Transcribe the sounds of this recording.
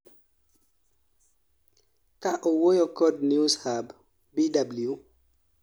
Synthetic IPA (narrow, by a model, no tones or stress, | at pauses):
kaʔɔwɔjɔkɔdnushab | bidablju